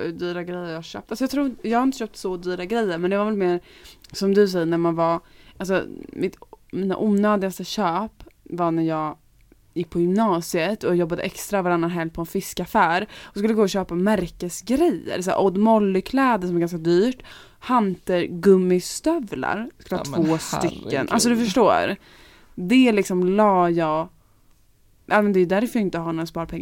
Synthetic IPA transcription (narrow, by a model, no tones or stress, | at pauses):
d̪yːɾaɡɾɛjːəɾjɑhaɕœ̰ːp̚t̪alsɔjɑt̪ʰɾuːɾjɑɡhaɾɪnt̪əɕœp̚t̪sɔd̪yːɾaɡɾɛjːəɾmɛnd̪ɛvaɾvɛlmeːɾsɔmd̪ɵsɛjːəɳæɾmanvaʔals̬ɔ̰mɪt̪miːna̰ʔuːnœːd̪ɪɡast̪əɕœːpvaɳæɾjɑːɡ | jɪk̚ːpʰɔjʏmnɑːsɪət̪ʰɔjɔbːad̪ə̰ʔɛkst̪ɾavaɾanːanɦɛlpʰɔɛnfɪskafæːɾɔskɵlːəɡoːɕøːpamæɾkəsɡɾɛjːə̰ɾsæ̰ːʔɔd̪mɔlːɪkʰlɛːd̪əsɔmɛɾɡanskad̪yːʈ | hant̪əɾɡɵmːɪst̪œvla̰ɾskɵləhɑɑt̪voːst̪ʏkːə̰nʔals̬ɔd̪ɵfœʂʈo̰ːɾ | d̪ɛlɪksɔmlɑːjɑːɡ | ʔɑːmɛnd̪ɛjʏd̪æɾfœjɾɪnt̪əhanɔjaspɑːɾapʰɛŋː